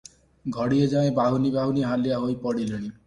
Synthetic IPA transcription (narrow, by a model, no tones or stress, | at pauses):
ɡʱɔɽied͡ʒaẽbaɦunibʱaɦuniɦalijaɦoipɔɽileɽ̃i